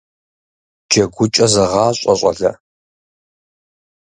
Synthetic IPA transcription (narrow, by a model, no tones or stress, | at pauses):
d͡ʒɐɡʷʊt͡ʃʼɐzɐʁɑːɕʼɐɕʼɐ̰ɮɐ̰